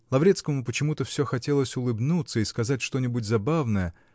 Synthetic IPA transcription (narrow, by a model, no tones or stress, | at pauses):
lˠɐvɾʲe̞t̪skəmʊpət͡ɕɪmut̪əfsʲɵxɐtʲe̞lˠəsʲʊlˠɨbnut̪səiskɐzatʲʂt̪o̞nʲɪbʊtʲzɐbavnəjə